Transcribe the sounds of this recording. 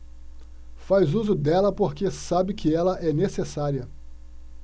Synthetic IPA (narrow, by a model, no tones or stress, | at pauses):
fajzuzʊd̪ɛlɐpoɾkesabɪkʰɪɛlɐʔɛnesesaɾiɐ